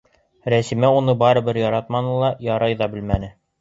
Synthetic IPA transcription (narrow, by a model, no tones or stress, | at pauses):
ɾæsimæunɤbɑɾɤ̆bɘɾjɑɾɑt̪̚mɑnɤlˠɑjɑɾɑjðɑbɘ̆lmænɘ